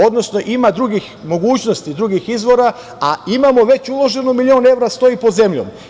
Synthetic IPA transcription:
o̞d̪no̞sno̞ʔimad̪ɾuɡixmo̞ɡuːt͡ɕno̞st̪id̪ɾuɡixizʋo̞ɾa | aimamo̞ʋe̞t͡ɕulˠo̞ʒe̞numilʲio̞ːne̞ʋɾast̪o̞ipod̪ze̞mʎo̞̰m

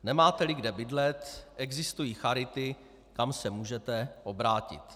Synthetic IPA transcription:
nɛmaːt̪ɛlɪɡdɛbɪdlɛt̪ʔɛɡzɪst̪ujiːxaɾɪt̪ɪ | kamsɛmuːʒɛt̪ɛʔo̞bɾaːcɪ̰t̪

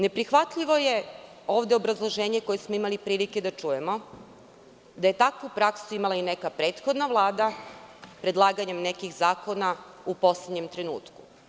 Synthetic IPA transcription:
ne̞pɾixʋat̪ʎiʋo̞je̞ | o̞ːʋd̪eo̞bɾazlˠo̞ʒe̞ːɲe̞ko̞jesmo̞imalipɾiːlike̞d̪at͡ʃuje̞mo̞ | d̪aje̞t̪akupɾaksuimalˠaine̞kapɾe̞ːt̪xo̞d̪naʋlˠaːd̪apɾe̞d̪lˠaːɡaɲe̞mne̞kixzaːko̞naupo̞sled̪ɲe̞mt̪ɾenṵːt̪ku̥

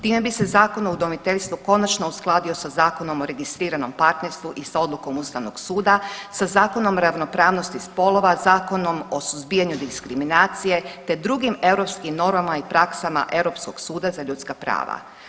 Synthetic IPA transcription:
t̪iːme̞bise̞zaːko̞noud̪o̞mit̪eʎst̪ʋuko̞nat͡ʃno̞usklˠaːd̪io̞sazaːko̞no̞mo̞ɾe̞ɡist̪ɾiːɾano̞mpaɾt̪ne̞ɾst̪ʋuʔisao̞d̪luko̞must̪aʋno̞ɡsuːd̪asazaːko̞no̞mɾaʋno̞pɾaːʋno̞st̪ispo̞lˠo̞ʋazaːko̞no̞mo̞suzbiːjaɲud̪iskɾiminaːt̪sije̞t̪e̞d̪ɾuɡime̞vɾo̞pskimno̞ɾmamaipɾaksama̰ʔe̞vɾo̞pskoɡ̥suːd̪azaʎut̪skapɾa̰ːʋa̰

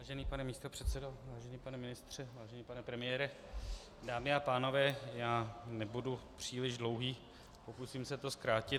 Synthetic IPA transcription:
aːʒɛniːpanɛmiːst̪o̞pr̥ɛt̪sɛdo̞vaːʒɛniːpanɛmɪnɪst̪r̝̥ɛvaːʒɛniːpanɛpɾɛmɪjɛːɾɛ | daːmɪapaːno̞vɛːjaːnɛbudupr̝̥iːlɪʒdlo̞wɦiː | po̞kusiːmsɛt̪o̞skɾaːcɪ

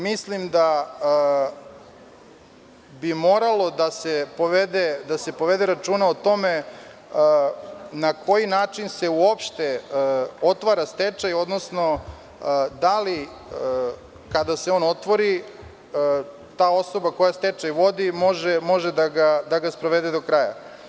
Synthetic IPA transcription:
mislimd̪a | bimo̞ːɾalo̞d̪asepoʋed̪ed̪ase̞poʋe̞d̪eɾat͡ʃuːnaot̪o̞me | nako̞jinaːt͡ʃinse̞uopʃt̪e | o̞t̪ʋaɾast̪et͡ʃajo̞d̪no̞sno̞ | d̪ali | kad̪aseo̞ːno̞t̪ʋoɾi | t̪aːo̞so̞bako̞jast̪et͡ʃajʋo̞d̪imo̞ʒemo̞ʒed̪aɡad̪aɡaspɾoʋed̪ed̪o̞kɾaja̰

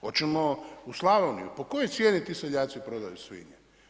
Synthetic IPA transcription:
ot͡ʃemouslˠaʋonḭupokojojt̪sʲjeːnit̪iːseʎʲaːt̪sipɾod̪a̰jusʋḭɲḛ

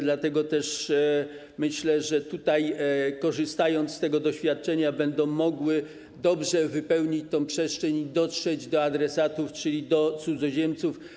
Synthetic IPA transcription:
d̪lat̪ɛɡɔt̪ɛʂ | mɘɕlɛʐɛt̪ut̪ajkɔʐɨst̪ajɔnt̪st̪ɛɡɔd̪ɔɕfʲjat̪̚t͡ʂɛɲabɛnd̪ɔ̃w̃mɔɡwɘ | d̪ɔbʐɛvɘpɛwɲit͡ɕt̪ɔ̃w̃pʂɛʂt͡ʂɛɲid̪ɔtʂɛd͡ʑd̪ɔad̪ɾɛsat̪uft͡ʂɘlʲid̪ɔt̪sud̪zɔʑɛmt̪suf

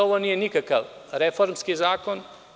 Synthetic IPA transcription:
oʋoniːjenikakaʋɾefoɾmskizaːkon

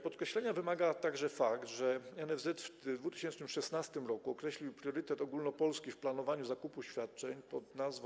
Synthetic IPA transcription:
pɔt̪kɾɛɕlɛɲavɘmaɡat̪aɡʐɛfakt̪ʐɛɛnɛvzɛt̪fd̪vut̪ɘ̥ɕɛnt͡ʂnɘmʂɛsnast̪ɘmɾɔkuɔkɾɛɕlʲiwpɾʲjɔɾɘt̪ɛt̪ɔɡulnɔpɔlskʲifplanɔvaɲuzakupuɕfʲjat̪̚t͡ʂɛɲpɔd̪nazv

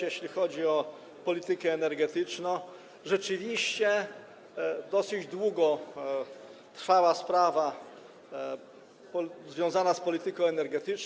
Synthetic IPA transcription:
jɛɕlʲixɔd͡ʑiɔ | pɔlʲit̪ɘkɛːnɛɾɡɛt̪ɘt͡ʂnɔ̃w̃ | ʐɛt͡ʂɘvʲiɕt͡ɕɛ | d̪ɔsɘd͡ʑd̪wuɡɔ | t̪ɾfawaspɾava | pɔzvʲjɔ̃w̃zanaspɔlʲit̪ɘkɔ̃w̃ɛnɛɾɡɛt̪ɘt͡ʂ

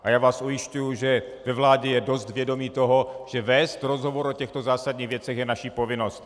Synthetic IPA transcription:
ʔajaːvaːsʔujɪʃcujuʒɛ | vɛvlaːɟɛjɛdo̞st̪vjɛdo̞miːt̪o̞ɦo̞ʒ̥ɛvɛːst̪ɾo̞zɦo̞vo̞ɾʔo̞cɛxt̪o̞zaːsadɲiːɣvjɛt͡sɛxjɛnaʃiːpo̞vɪno̞st̪

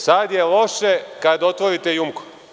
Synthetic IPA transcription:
sad̪jelo̞ʃekad̪o̞t̪ʋoɾit̪e̞jumko̥

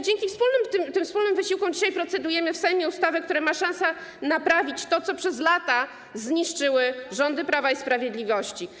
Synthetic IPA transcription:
d͡ʑeŋkʲifspulnɘmt̪ɘmt̪ɘmfspulnɘmvɘɕiwkɔ̃d͡ʑiɕajpɾɔt̪sɛd̪ujɛmɘfsɛjmʲɛust̪avɛk̚t̪uɾɛmaʂãñsɛ | napɾavʲit͡ɕt̪ɔt̪sɔpʂɛzlat̪a | zɲiʂt͡ʂɘwɘʐɔnd̪ɘpɾavaispɾavʲjed̪lʲivɔɕt͡ɕi

